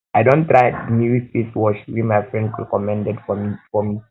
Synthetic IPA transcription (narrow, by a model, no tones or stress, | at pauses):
aɪdõnt̪ɹaɪniɹifiswɔʃwimajfɹɛ̃ndɹɛ̰kɔmɛ̃ndɛdfɔmifɔmi